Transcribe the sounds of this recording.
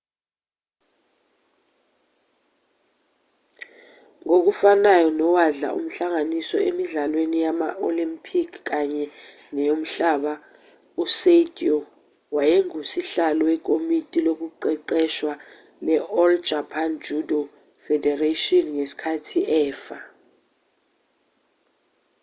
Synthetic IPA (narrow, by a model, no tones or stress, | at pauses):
ŋok̬ufanajɔnɔwaɮa̰ʔṵm̩ɬaŋanisɔʔemiɮalwenijamaʔolimpʰikʰkaɲɛŋɛjom̩ɬaɓa | usetʼiɔ | wajeŋusiɬalɔwɛk̬ʼomitʼilok̬uǃɛǃɛʃwa | lɛɔld͡ʒʱapʰand͡ʒʱudɔ | fɛdɛratʼiɔnŋesi̥kʰatʰiʔɛːfa